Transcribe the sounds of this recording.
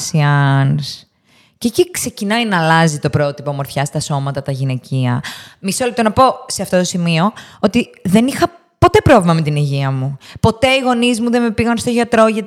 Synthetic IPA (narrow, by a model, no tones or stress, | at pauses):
siɐns | cecikse̞cinɐinɐːlɐzit̪o̞pɾo̞t̪ipo̞mo̞ɾθçɐst̪ɐso̞mɐt̪ɐt̪ɐʝine̞ciɐ̰misolep̚t̪onɐpo̞se̞ɐft̪ot̪o̞simio̞ot̪iðe̞nixɐ | po̞t̪e̞pɾo̞vlimɐme̞t̪iniʝiɐmupo̞t̪e̞iɣo̞nizmuðe̞me̞piɣɐnst̪oʝɐt̪ɾo̞ʝɐt̪